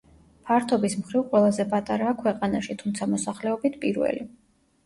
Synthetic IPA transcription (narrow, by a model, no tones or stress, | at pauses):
pʰaɾt̪ʰɔbismχɾivqʼwɛlˠazɛpʼat̪ʼaɾaːkʰwɛqʼanaʃit̪ʰumt̪sʰamɔsaχlɛɔbit̪ʰpʼiɾvɛ̰li